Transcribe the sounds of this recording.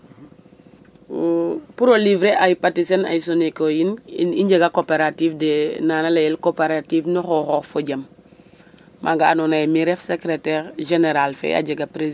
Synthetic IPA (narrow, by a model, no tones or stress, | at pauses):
puɾolivɾeʔajpatisena̰jsonekojiniɲɟeɡakopeɾatiːfdenanalajelkopeɾatiːfnoxoxɔːfoɟam | mʔa̰ŋɡaanonajemiɾefsekɾetɛɾʒeneɾalfḛa̰ɟeɡapɾe